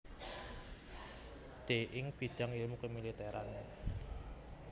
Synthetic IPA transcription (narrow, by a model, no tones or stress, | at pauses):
d̪̥eʔɪŋb̥i̤d̪̥a̤ŋilmukemilit̪eɾʔa̰ne